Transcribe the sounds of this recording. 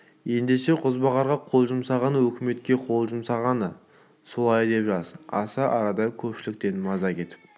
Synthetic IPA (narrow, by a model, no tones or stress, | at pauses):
je̞nd̪e̞ʃe̞qʰʊzbɑʁɑɾʁɑqʰo̞lˠʒʊmsɑʁɑnəwɵkʲɪme̞t̪̚kʲe̞qʰo̞lˠʒʊmsɑʁɑnə | so̞lˠɑjd̪e̞pʒɑzɑsɑʔɑɾɑd̪ɑjəkʲʰɵpʃɪlɪk̚t̪e̞nmɑzɑkʲe̞t̪ɪ̥p̚